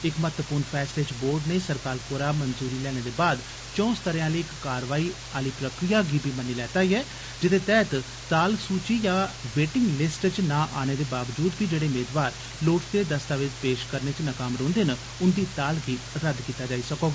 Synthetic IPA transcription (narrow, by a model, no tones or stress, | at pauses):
ɪkmət̪ʋəpuːɾnpʰɛːsʈeːd͡ʒboːɾɖneːsəɾkaːɾkoːɾaːmənzuːɾiːlɛːɽ̃eːd̪eːbaːd̪ | t͡ʃɔ̃ːst̪əɾjãːliːɪkːaːɾʋaːiː | aːliːpɾəkɾijaːɡiːbʱiːmənːiːlɛːt̪aːiːɦɛː | d͡ʒɪt̪ʰeːt̪ɛːt̪ | t̪aːlsuːt͡ʃiːjãːʋeːʈɪŋɡlɪsʈt͡ʃnãːʔaːñeːd̪eːbaːʋd͡ʒuːd̪biːd͡ʒeːɽeːʊmeːd̪ʋaːɾ | loːʈt̪eːd̪əst̪aːʋɪt͡ʃpeːʃkəɾneːt͡ʃnəkaːmɾõːnd̪eːnə | ʊnd̪iːt̪aːlɡiː | ɾəd̪kiːt̪aːd͡ʒaːiːsəkoːɡaː